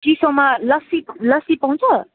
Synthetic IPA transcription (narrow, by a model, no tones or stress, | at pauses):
d͡ʒisʌmalʌsilʌsipaw̃nt͡sʰʌ